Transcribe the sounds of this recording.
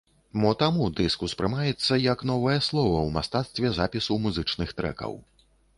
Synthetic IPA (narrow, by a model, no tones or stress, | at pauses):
mɔt̪amud̪ɨskuspɾɨmajɛt̪sːɐjɐkn̪ɔvɐjɐslˠɔvɐwmast̪at̪st̪vʲɛzapʲisɐwmuzɨt͡ʂnɨxt̪ɾɛ̰kɐ̰w